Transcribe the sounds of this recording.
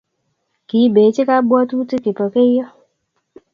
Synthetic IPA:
ki˨˦be˨˦t͡ʃi˦ka˦bɔ˦tu˦ti˦ki˨pɔ˨ke˦jɔ˦

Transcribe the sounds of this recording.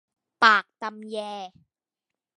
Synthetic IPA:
paː˨˩k̚t̪a˧mjɛː˧

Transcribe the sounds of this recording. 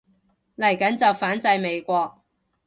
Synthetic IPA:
lɐ˨˩jkɐ˨˥nt͡sɐ˨wfaː˨˥nt͡sɐ˧jme˨˧jkʷɔː˧k̚

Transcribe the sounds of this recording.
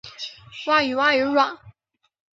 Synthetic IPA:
wa˥˩y˨˩wa˥˧y˨˧˥ɻwa˨˩˦n

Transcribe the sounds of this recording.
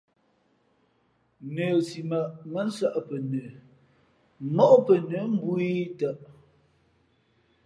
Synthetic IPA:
nə˨si˨ma˨ʔŋə˦n̩˦sa˦ʔpə˨nə˨˦ | nɔ˦ʔpə˨nə˨˦m̩˦bu˦i˦tə˨ʔ

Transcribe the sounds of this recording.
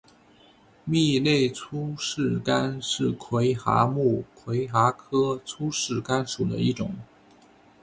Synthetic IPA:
mi˥˧le˥˩ɪt͡sʰu˥ʂɻ̩˥˩ka˥nʂɻ̩˥˩kʰwe˧˥ɪxa̰˧˥mu˥˩kʰwe˧˥ɪxa˧˥kʰɤ˥t͡sʰu˥ʂɻ̩˥˩ka˥nʂu˨˩d̪ə̰˦i˥˩ʈ͡ʂʊ̰˨˩˦ŋ

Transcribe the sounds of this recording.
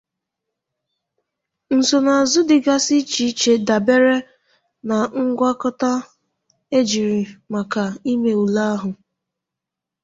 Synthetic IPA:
n̩˨so˨na˨a˨zʊ˦dɪ˨ɡa˦si˦t͡ʃi˨˦t͡ʃe˨da˨be˦ɾe˦ | na˨ŋ̩˦ɡʷa˦kɔ˦ta˦ | e˦d͡ʒi˨ɾi˨ma˨ka˨i˦me˨u˨la˦ɦʊ˨

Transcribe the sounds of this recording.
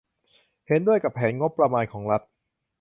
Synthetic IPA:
he˩˦ndu˥˩əjka˨˩pʰːɛː˩˦nŋo˦˥pːɾa˧maː˧nkʰɔː˩˦ŋɾa˦˥t̪̚

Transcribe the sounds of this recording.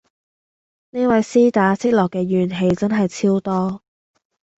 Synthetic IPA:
ne˥wɐ˨˥jsiː˥t̪aː˨˧sʰɪ˥k̚lɔː˨kːɛː˧jyː˨nɦe˨˧jt͡sɐ˥nɦɐ˨jt͡sʰiː˥wt̪ɔː˥

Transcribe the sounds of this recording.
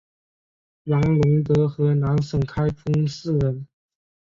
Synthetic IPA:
nɑ˧˥ŋlʊ˧˥ŋt̪ɤ˧˥xɤ˧˥na˧˥ŋʂə˨˩ŋkʰa˥ɪfʰʊ˥ŋsɹ̩˥˩ɻə˧˥n

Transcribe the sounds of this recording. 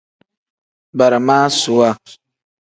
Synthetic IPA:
ba˨ɾa˨maː˦sʊ˨wa˦

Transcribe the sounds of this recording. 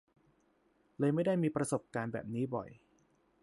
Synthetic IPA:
lɤː˧jma˥˩jda˥˩jmiː˧pɾa˧so˨˩p̚kaː˧nbɛ̰ː˨˩p̚niː˦˥bɔ̰˨˩j

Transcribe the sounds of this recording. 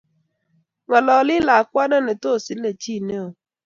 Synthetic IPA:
ŋa˨lɔ˨lɪ˦la˨a˨kʷa˦na˦ne˨to˦˨si˨n̩˦e˨t͡ʃi˦˨ne˦o˨

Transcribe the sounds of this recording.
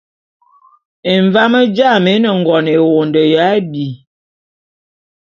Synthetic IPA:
e˨ɱva˦mə˦d͡ʒa˦˨me˨˦nə˨ŋ˨ɡɔ˨ne˨wo˨ndə˨ja˨˦bi˨

